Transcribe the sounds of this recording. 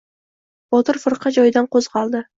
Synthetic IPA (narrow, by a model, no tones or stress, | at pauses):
b̥ɒt̪ɨɾfɨɾqʰɑd͡ʒɒjd̪anqozʁɑlˠd̪ɪ